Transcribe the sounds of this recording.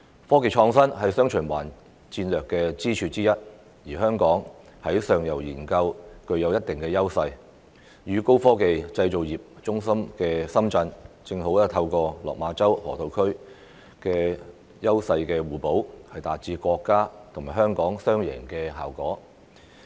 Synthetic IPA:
fɔː˥k̬e˨˧jt͡ʃʰɔː˧ŋsɐ˥nɦɐ˨jsœː˥ŋt͡ʃʰɵ˨˩nwa̰ː˨˩n | t͡siː˧nlœː˨kːɛː˧t͡siː˥t͡ʃʰyː˧t͡siː˥jɐ˥t̚ | jiː˨˩ɦœː˥ŋkɔː˨˥ŋhɐ˨˥jsœː˨ŋjɐ˨˩wjiː˨˩nkɐ˧wkɵ˧ɥjɐ˨˧wjɐ˥t̚t̪ɪ˨ŋkɛː˧jɐ˥wsɐ˧j | jyː˨˧ko˥wfɔː˥ke˨jt͡sɐ˧jt͡so˨wjiː˨˩p̚t͡ʃʊ˥ŋsɐ˥mkɛː˧sɐ˥mt͡sɐ˧nt͡sɪ˧ŋho˨˥wɐ˥t̪ʰɐ˧wkɔː˧lɔ̰ː˨k̚maː˨˧˥t͡sɐ˥whɔ̰ː˨˩t̪ʰo˨˧wkʰɵ˥ɥ | kɛː˧ | jɐ˥wsɐ˧jkɛː˧wuː˨˩po˨˥whɐ˨jt̪aː˨t̚t͡siː˧kʷɔː˧kːaː˥t̪ʰŋmaː˨˩jɦœː˥ŋkɔː˨˥ŋsœː˥ŋjɛ̰ː˨˩ŋkɛː˧ɦa̰ː˨wkɔː˨˥

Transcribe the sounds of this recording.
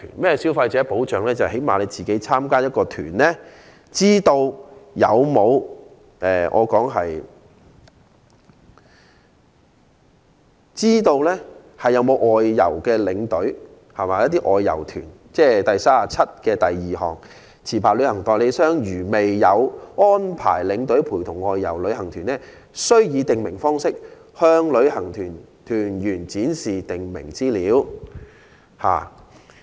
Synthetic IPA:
nmɛː˥si˨˥wfɐ˧jt͡sɛː˨˥po˨˥wt͡ʃœː˨ŋlɛː˥t͡sɐ˨he˨˥jmaː˨le˨˧jt͡siː˨ke˨˥jt͡sʰaː˥mkaː˥jɐ˥t̚kɔː˧t̪ʰyː˨˩nlɛː˥ | t͡siː˥t̪o˧wjɐ̰˨˧wmo˨˧w | ʔɛː˨ʔɔ̰ː˨˧kɔː˨˥ŋɦɐ˨j | t͡siː˥t̪o˧wlɛː˥ | hɐ˨˩jːɐ˨˧wmo˨˧wʔɔː˨jːɐ̰˨˩wkɛː˧lɪ˨˧ŋt̪ɵ˨˥ɥ | hɐ˨˩maː˨˦jɐ˥t̪̚ːiː˥ʔɔː˨jːɐ̰˨˩wt̪ʰy̰ː˨˩n | t͡sɛː˥t̪ɐ˨jsaː˥a˨˩t͡sʰɐ˥t̚kɛː˧t̪ɐ˨jːiː˨hɔː˨˩ŋ | t͡sʰiː˨˩pʰaː˨t̚lɵ˨˧ɥhɐ˨˩ŋt̪ɔː˨jle˨˧jsœː˥ŋjyː˨˩me˨jːɐ˨˧wŋɔː˥npʰa̰ː˨˩jlɪ˨˧˥ŋt̪ɵ˨˥ɥpʰuː˨˩jt̪ʰʊ˨˩ŋɔː˨˧jːɐ̰˨˩wlɵ˨˧ɥhɐ˨˩ŋt̪ʰyː˨˩nːɛː˥ | sɵ˥ɥjiː˨˧t̪ɪ˨ŋmɪ˨˩ŋfɔː˥ŋsɪ˥k̚ | hœː˥ŋlɵ˨˧ɥhɐ˨˩ŋt̪ʰyː˨˩n | t̪ʰyː˨˩njyː˨˩nt͡siː˨˥nsiː˨t̪ɪ˨ŋmɪ̰˨˩ŋt͡siː˥liː˨˥w | ha̰ː˨

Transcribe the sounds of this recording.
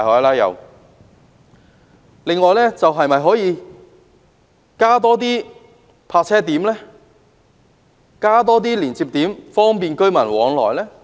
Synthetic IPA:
hɔː˨˥laː˥jɐ̰˨˧w | lɪ˨˧ŋːɔː˨jlɛː˥t͡sɐ˨wɦɐ˨jmɐ˨jɦɔː˨˥jiː˨˧ | kaː˥t̪ɔː˥t̪̬iː˥ | pʰaː˧t̚t͡sʰɛː˥t̪iː˨˥mlɛː˥ | kaː˥t̪̬ɔː˥t̪̬iː˥liː˨˩nt͡siː˧p̚t̪iː˨˥mfɔː˥ŋpiː˨nkɵ˥ɥmɐ˨˩nwɔː˨˧˥ŋlɔ̰ː˨˩jlɛː˥

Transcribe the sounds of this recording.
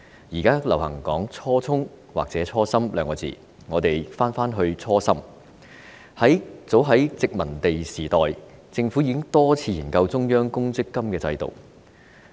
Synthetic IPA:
jiː˨˩kaː˥lɐ˨˩whɐ̰˨˩ŋkɔː˨˥ŋt͡sʰɔː˥t͡sʰʊ˥ŋ | wa̰˨k̚t͡sɛː˨˥t͡sʰɔː˥sɐ˥mlœ̰ː˨˥ŋkɔː˧t͡sḭː˨ | ŋɔː˨˧t̪e˨˩jfaː˥nfaː˥nɦɵ˧ɥt͡sʰɔː˥sɐ˥m | hɐ˨˥jt͡so˨˥wɦɐ˨˥jt͡sɪ˨k̚mɐ˨˩nt̪e˨jsiː˨˩t̪ɔː˨jt͡sɪ˧ŋfuː˨˥jiː˨˧kɪ˥ŋt̪ɔː˥t͡sʰiː˧jiː˨˩nkɐ˧wt͡sʊ˥ŋjœː˥ŋkʊ˥ŋt͡sɪ˥kːɐ˥mkɛː˧t͡sɐ̰˧jt̪o̰˨˩w

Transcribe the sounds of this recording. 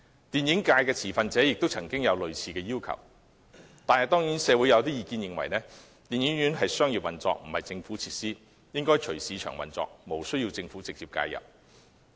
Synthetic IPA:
t̪iː˨njɪ˨˥ŋkaː˧jkɛː˧t͡sʰiː˨˩fɐ˨nt͡sɛː˨˥jɪ˨k̚t̪o˥wt͡sʰɐ˨˩ŋkɪ˥ŋjɐ˨˧wlɵ˨ɥt͡sʰiː˨kɛː˧jiː˥wkʰɐ̰˨˩w | t̪aː˨nhɐ˨jt̪ɔː˥ŋjiː˨˥nsɛː˨˧wu˨˥jɐ˧wt̪iː˥jiː˨˧kiː˧njɪ˨ŋwɐ̰˨˩jnɛː˥ | t̪iː˨njɪ˨˥ŋjyː˨˥nɦɐ˨jsœː˥ŋjiː˨p̚wɐ˨nt͡sɔ̰ː˧k̚m̩˨˩hɐ˨jt͡sɪ˧ŋfuː˨˥t͡sʰiː˧t̚siː˥ | jɪ˥ŋkɔː˥jt͡ʃʰɵ˨˩ɥsiː˨˧t͡ʃʰœ̰ː˨˩ŋwɐ̰˨˩nt͡sɔ̰ː˨k̚mo˨˩wsɵ˥ɥji˧wt͡sɪ˧ŋfuː˨˥t͡sɪ˨k̚t͡siː˧p̚ka̰ː˧jɐ̰˨˩p̚

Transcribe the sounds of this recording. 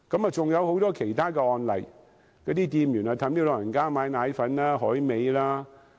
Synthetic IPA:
kɐ˨˥ma˨t͡sʊ˨ŋjɐ˨˧who˨˥wt̪ɔː˥kʰe˨˩jt̪ʰaː˥kɛː˧ɔː˧nlɐ˨˩j | kɔː˨˥t̪iː˥t̪iː˧mjy˨˩nhɔː˨˩wt̪ʰɐ˨˥mti˥lɔː˨˧˩jɐ˨˩nkaː˥maː˨˧jnaː˨˥jfɐ˨˥nlaː˦˥ɦɔː˨˥jme˨˧jlaː˦˥

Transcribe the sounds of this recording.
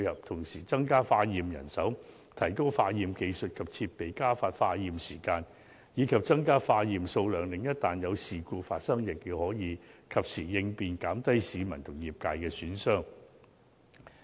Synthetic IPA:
jhɐ˨p̚t̪ʰʊ˨˩ŋsiː˨˩t͡sɐ˥ŋkaː˥faː˧jiː˨mjɐ̰˨˩nsɐ˨˥w | t̪ʰɐ˨˩jko˥wfaː˧jiː˨mke˧jsɵ˨t̚kʰɐ˨p̚t͡sʰiː˧t̚pe˨jkaː˥faː˧t̚faː˧jiː˨msiː˨˩kaː˧n | jiː˨˧kʰɐ˨p̚t͡sɐ˥ŋkaː˥faː˧jiː˨mso˧wlœː˨˩ŋlɪ˨ŋjɐ˥t̚t̪aː˨njɐ˨˧wsiː˨kuː˧faː˧t̚sɐ˥ŋjɪ˨k̚jiː˧whɔː˨˥jiː˨˧kʰɐ˨p̚siː˨˩jɪ˧ŋpiː˨nkaː˨˥mt̪ɐ˥jsiː˨˧mɐ̰˨˩nt̪ʰʊ˨˩ŋjiː˨˩p̚kaː˧jkɛː˧syː˨˥nsœː˥˩ŋ

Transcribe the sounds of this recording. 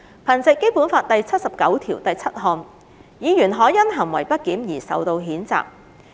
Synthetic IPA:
pʰɐ˨˩nt͡sɪ˨kːe˥jpuː˨˥nfaː˧t̚t̪ɐ˨jt͡sʰɐ˥t̚sɐ˨p̚kɐ˨˥wt̪ʰiː˨˩wt̪ɐ˨jt͡sʰɐ˥t̚ɦɔː˧n | jiː˨˧jyː˨˩nɦɔː˨˥jɐ˥nɦɐ˨˩ŋwɐ˨˩jpɐ˥t̚kiː˨˥mjiː˨˩sɐ̰˨wt̪o˧wɦiː˨˥nt͡sa̰ː˨p̚

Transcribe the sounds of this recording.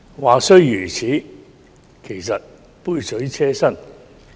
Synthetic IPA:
waː˨sɵ˥ɥjyː˨˩t͡sʰiː˨˥ | kʰe˨˩jsɐ˨t̚ | puː˥jsɵ˨˥ɥt͡sʰɛː˥sɐ˥n

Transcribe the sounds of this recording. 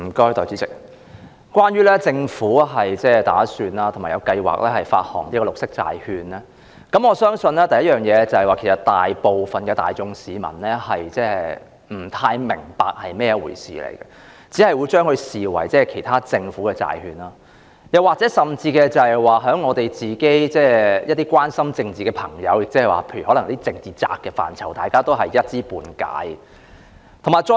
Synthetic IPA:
m̩˨˩kɔː˥jt̪ɔː˨˩t͡sy˨˥t͡sɪ˨k̚ | kʷwaː˥nɥyː˥lɛː˥t͡sɪ˧ŋfuː˨˥ɦɐ˨jt͡sɛː˥t̪a̰ː˨˥syː˨˧nlaː˥t̪ʰmaː˨˩jɐ˨˧wkɐ˧jwa̰ː˨˩k̚lɛː˥hɐ˨jfa̰ː˧t̚hɔ̰ː˨˩ŋliː˥kɔ˧lʊ˨k̚sɪ˥k̚t͡sa̰ː˨jhyː˧nlɛː˥ | kɐ˨˥mŋɔː˨˧sœː˥ŋsɵ˧nlɛː˥t̪ɐ˨˩jɐ˥jœː˨˩ŋjɛː˨˧˥t͡sɐ˨˩hɐ˨waː˨kʰe˨˩sɐ˨tt̪aː˨jpo˨wfɐ˨nkɛː˧t̪a̰ː˨jt͡sʊ˧ŋsiː˨˦mɐ̰˨˩nlɛː˥hɐ˨jt͡sɛː˥ | m̩˨˩t̪ʰaː˧jmɪ˨˩ŋpa̰ː˨k̚hɐ˨jmɛː˥jɛ˧wṵː˨˩jsḭː˨lḛ˨˩jkɛ̰˧ | t͡siː˨˥hɐ˨jwuː˨˧jt͡ʃœː˥ŋhɵ˧ɥsiː˨˩wɐ̰˨˩jt͡sɛː˥˩kʰe˨˩jt̪ʰaː˥t͡sɪ˧ŋfu˨˥kɛː˧t͡sa̰ː˨jhyː˨˧naː˥ | jɐ˨˩waː˨k̚t͡sɛː˨˥sɐ˨mt͡siː˧kɛː˧t͡sɐ˨hɛ˨˩jwaː˨ɦœː˨˥ŋɔː˨˧t̪e˨jt͡siː˨ke˥jt͡sɛː˥˩jɐ˥t̚t̪iː˥kʷaː˥nsɐ˥mt͡sɪ˧ŋt͡siː˨˩kɛ˧pʰɐ˨˩ŋjɐ˨˧wjɪ˨k̚t͡sɛː˥hɛ˨jwa̰ː˨pʰe˧ɥy˨˩hɔː˨˥lɐ˨ŋjɐ˥i˥t͡sɪ˧ŋt͡siː˨t͡sa̰ː˧kːɛː˧fa̰ː˨˩nt͡sʰɐ˨˩wt̪aː˨jkaː˥t̪o˥wɦɐ˨jjɐ˥t̚t͡siː˥puː˨˧nka̰ː˨˥j | t̪ʰo˨˩maː˨jt͡sɔ˧

